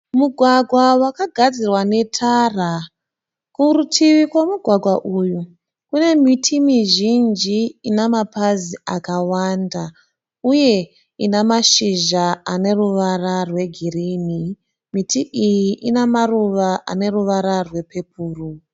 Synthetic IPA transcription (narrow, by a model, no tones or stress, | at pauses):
muɡʱwaɡʱwawakaɡʱad͡zirwane̞tʰara | kurutʰiʋikwamuɡʱwaɡʱwaʔuju | kune̞mitʰimiʒind͡ʒiinamapaziakawanda | uje̞ | inamaʃiʒaane̞ruʋararwe̞ɡʱirini | mitiʔijiʔinamaruʋaʔa̰ne̞ruʋaɾarwe̞pe̞p̚uːru